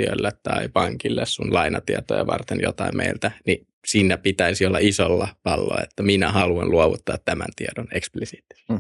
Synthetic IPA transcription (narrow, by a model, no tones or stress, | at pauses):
yølːet̪t̪ɑipɑŋkilːessunlɑinɑt̪iɑt̪ojɑʋɑrt̪enjot̪ɑimmʔeilt̪æni | siːnːæpit̪æisiolːɑisolːɑpɑlːo̰ːet̪ːæminæhɑluɑnluoʋut̪ːɑːt̪t̪æmænt̪iɑdoneksplisiːt̪ːˑi̥s